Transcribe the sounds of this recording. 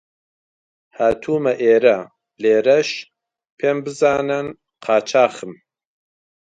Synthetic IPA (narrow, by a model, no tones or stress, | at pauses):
haːt̪ʰuːmɐʔeːɾɐ | leːɾɐʃ | pʰeːmbɨzaːnɐn | qʰaːt͡ʃʰaːχɨm